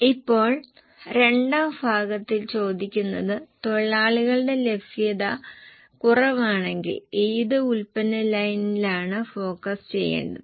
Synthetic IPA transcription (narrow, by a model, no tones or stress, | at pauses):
ipːo̞ːɭ | re̞ɳɖaːbʱaːɡɐt̪ːilt͡ɕo̞ːd̪ikʲːunːɐðɨt̪o̞ɭːaːɭuɣɐɭɖe̞le̞bsijɐðɐ | kurɐʋaːɳe̞ŋɡḭliːðɨulpɐnɐlɐjnilaːɳɨfo̞ːkːɐst͡ɕe̞̰jːḛːɳɖɐðɨ